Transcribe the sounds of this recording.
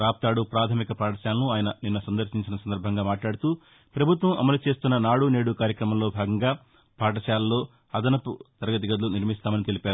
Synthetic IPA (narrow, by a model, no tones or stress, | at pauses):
ɾaːp̚t̪aːɽupɾaːt̪ʰɐmikɐpʰaːʈɐʃaːlɐnuaːjɐnɐninːɐsɐnd̪ɐɾʃiɲt͡ʃinɐsɐnd̪ɐɾbʱɐŋɡaːmaːʈlaːɽut̪uː | pɾɐbʱut̪ʋɐmʔɐ̰mɐlut͡ʃe̞ːst̪unːɐnaːɽune̞ːɽukaːɾjɐkɾɐmɐmlo̞ːbʱaːɡɐŋɡaː | pʰaːʈ̬ɐʃaːlɐlːo̞ː | ɐd̪ɐnɐput̪ɐɾɐɡɐt̪̬iɡɐd̪uluniɾmist̪aːmɐnit̪e̞lipaːɾu